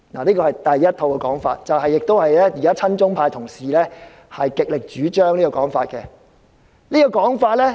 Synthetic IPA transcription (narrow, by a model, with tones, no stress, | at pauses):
naː˨˩liː˥kɔː˧hɐ˨jt̪ɐ˨jːɐ˥t̚t̪ʰo˧wkɛ˧kɔː˨˥ŋfa̰ː˧t̚t͡sɐ˨wɦɐ˨jːɪ˨k̚t̪o˥whɐ˨jlɛː˥jiː˨˩kaː˥t͡sʰɐ˥nt͡ʃʊ˥ŋpʰaː˧jt̪ʰʊ˨˩ŋsiː˨lɛː˥ | hɐ˨jkɪ˨k̚lɪ˨k̚t͡ʃyː˨˥t͡ʃœː˥ŋliː˥kɔː˧kɔː˨˥ŋfaː˧t̚kɛ˧ | liː˥kɔː˧kɔː˨˥ŋfaː˧t̚lɛː˥